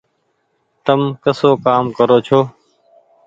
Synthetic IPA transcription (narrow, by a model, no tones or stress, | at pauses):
t̪əmkəsoːkaːmkəɾoːt͡ʃʰoː